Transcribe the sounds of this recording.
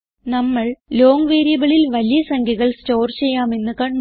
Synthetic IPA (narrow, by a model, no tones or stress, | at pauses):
nɐmːɐɭloːŋʋeːɾijɐbɐɭɪlʋɐlɪjɐsɐŋɡiɣɐɭsʈoːɾt͡ʃɛjːaːmenːɯkɐɳ